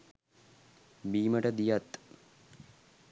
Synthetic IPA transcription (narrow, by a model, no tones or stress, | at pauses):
biːməʈəd̪ijɐt̪